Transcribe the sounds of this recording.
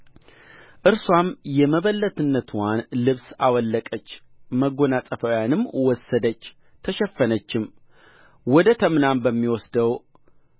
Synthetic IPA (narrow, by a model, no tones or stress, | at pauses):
ʔɨɾswamjɛməβəlːət̪ɨnːət̪ʰwanlɨβsawɔlːəkʼət͡ʃː | məɡonat̪ʼəfəjanɨmːwɔsːəd̪ət͡ʃː | t̪ʰəʃɛfːənət͡ʃːɪm | wɔd̪ət̪ʰəmnambəmːiwɔsd̪əw